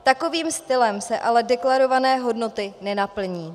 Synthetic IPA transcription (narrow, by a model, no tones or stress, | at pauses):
t̪ako̞viːmst̪ɪlɛmsɛʔalɛdɛklaɾo̞vanɛːɦo̞dno̞t̪ɪnɛnapl̩ɲiː